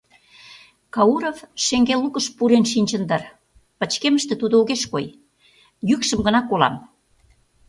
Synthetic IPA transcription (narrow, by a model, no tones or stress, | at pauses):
kɑuɾovʃeŋɡelukəʃpuɾenʃinʲt͡ɕə̆nd̪ə̆r | pə̆t͡ɕkeməʃt̪ĕt̪ud̪ooɣeʃkoj | jykʃə̆mɡənɑkolɑ̰m